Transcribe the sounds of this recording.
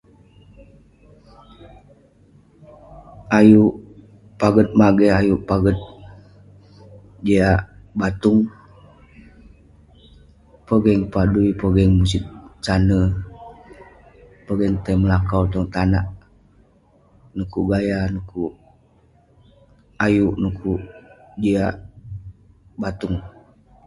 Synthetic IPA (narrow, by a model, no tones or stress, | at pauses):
ajuʔ | paɡət̪̚maɡɛhajuʔpaɡət̪̚ | d͡ʒeabat̪uŋ | pəɡɛŋpaduipəɡɛŋmus̬it̚t͡ʃanə | pəɡɛŋt̪əməlakawt̪ɔŋt̪anaʔ | nukuɡajanukuʔ | ajuʔnukʰuʔd͡ʒiaʔ | bat̪uŋ